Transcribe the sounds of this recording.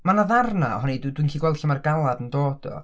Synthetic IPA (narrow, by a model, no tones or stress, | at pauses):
manaðarnaɔ̰hɔniddwinkʰiːɡwɛlˠd̥ɬamarɡalˠadəndoːd̥ɔ̰